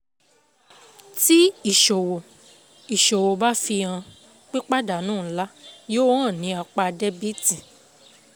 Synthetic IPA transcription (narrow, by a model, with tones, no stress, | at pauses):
ti˦i˦˨ʃo˨wo˨ | i˨ʃo˨wo˨ba˦fi˧ã˧ | k͡pe˦k͡pa˦da˨nũː˦˨˦la˦joː˦wã˦˨nĩ˨˧˦a˧k͡pa˧dɛ˦bi˦ti˨